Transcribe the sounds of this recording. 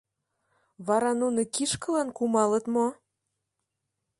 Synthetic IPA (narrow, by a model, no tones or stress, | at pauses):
βɑɾɑnunokiʃkɤ̆lɑnkumɑlət̪mo